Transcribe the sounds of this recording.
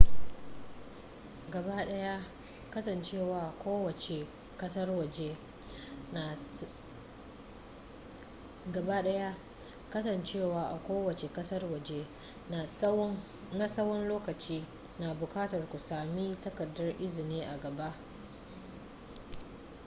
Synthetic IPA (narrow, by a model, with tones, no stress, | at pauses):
ɡɐ˨ba˦ɗɐ˦ja˦ | kɐ˦sɐ˨nt͡ʃeː˦˨waː˨kʷoː˦wɐ˨t͡ʃe˨ | kɐ˦sɐ˦rwɐ˨d͡ʒe˦˨ | ɡɐ˨ba˦ɗɐ˦ja˦ | kɐ˦sɐ˨nt͡ʃeː˦˨waː˨ʔa˨kʷoː˦wɐ˨t͡ʃe˨kɐ˦sɐ˦rwɐ˨d͡ʒe˦˨ | na˦sɐ˦wɔ˦nloː˦kɐ˨t͡ʃiː˦ | na˨bʊ˨kaː˦tɐ˨rkʷu˨saː˨miː˦tɐ˦kɐ˨dːɐ˦rʔɪ˦zɪ˨niː˦ʔa˨ɡɐ˨ba˦ʔ